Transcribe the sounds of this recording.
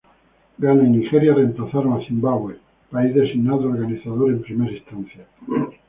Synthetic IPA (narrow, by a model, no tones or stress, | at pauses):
ɡanainixeɾjare̞mplaθaɾoŋaθimbaɣwe | paizðe̞siɣnaðooɾɣaniθaðoɾempɾimeɾaist̪anθja